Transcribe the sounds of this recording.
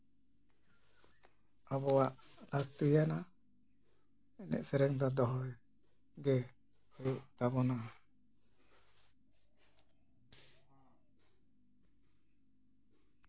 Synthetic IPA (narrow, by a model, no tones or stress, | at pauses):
abɔaʔlast̪ijana | ɛnɛ̰ʔsɛɾɛŋt̪ad̪ɔɦɔj | ɡɛ | hɔjuʔt̪abɔna